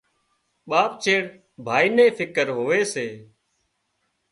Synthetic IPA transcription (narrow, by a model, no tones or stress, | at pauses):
ɓaːp̚t͡ʃʰeːɽ | bʱaːiːnẽːfʰɪkəɾɦoːʋeːseː